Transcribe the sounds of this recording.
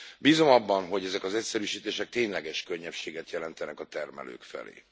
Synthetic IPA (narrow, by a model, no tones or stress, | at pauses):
biːzo̞mɒbːɒnɦo̞ɟɛzɛkɒzɛcsɛɾyːʃiːt̪eːʃɛk̚t̪eːɲlɛɡɛʃkøɲːɛfʃeːɡɛt̪jɛlɛnt̪ɛnɛkɒt̪ɛrmɛ̰lø̰ːkfɛ̰lḛː